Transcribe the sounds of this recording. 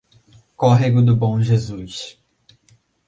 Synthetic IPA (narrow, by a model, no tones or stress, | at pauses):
kɔɦeɡʊd̪ʊbõw̃ʒezus